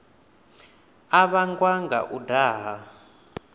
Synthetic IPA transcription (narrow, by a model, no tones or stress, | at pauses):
aβaŋɡwaŋɡa̰ʔudaːɦa